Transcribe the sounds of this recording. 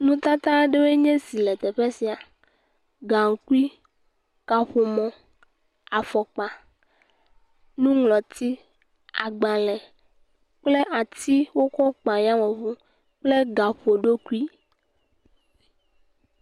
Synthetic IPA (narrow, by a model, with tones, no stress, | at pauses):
nũ˦t̪a˦t̪a˦ɖe˦we˦ɲɛ̃˦si˨lɛ˨t̪ɛ˨ɸe˦si˨a˨ | ɡa˨ŋ̩˨ku˦i˦ | ka˨ɸo˨mɔ̃˨ | a˨fɔ˨k͡pa˨ | nũ˦ŋlɔ˨t̪i˦ | a̰˨ɡ͡ba˨lɛ˨ | k͡ple˦ʔa˨t̪i˦wo˦kɔ˦k͡pa˨ɲ˦ã˦mɔ̃˨vũ˦ | k͡ple˦ɡa˨ɸo˨ɖo˦ku˦i˦